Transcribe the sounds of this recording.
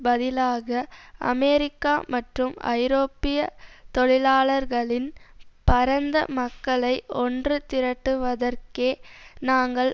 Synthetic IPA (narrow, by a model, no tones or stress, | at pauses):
bɐðɪlaːɣɐʔɐ̰mɛɾɪkːaːmɐʈrɯmɐ̰ɪɾoːpːɪjɐt̪ɔɻɪlaːɭɐɾɣɐɭɪnpɐɾɐnd̪ɐ̰mɐkːɐɭɐɪʔɔndrɯt̪ɪɾɐʈːɯʋɐðɐɾkeːnaːŋɡɐɭ